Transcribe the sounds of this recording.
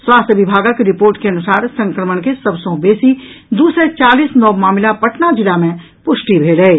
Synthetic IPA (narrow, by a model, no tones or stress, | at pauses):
swaːst̪ʰʋɪbʱaːɡakeɾɪpoːɾʈkeɐnʊsaːɾsɐ̃ŋkɾəməɽ̃kesɐbsõbeːsid̪uːsɾet͡ʃaːliːsnɔːmaːmlapəʈnad͡ʒɪlamẽ | pʊʃʈibʱeːləeː